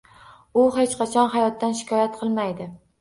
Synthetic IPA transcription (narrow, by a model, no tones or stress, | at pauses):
ʊɦet͡ʃqʰɑt͡ʃʰɒnɦajɒt̪ːanʃɪ̥kʰʲɒjat̪qʰɨlˠmajd̪ɪ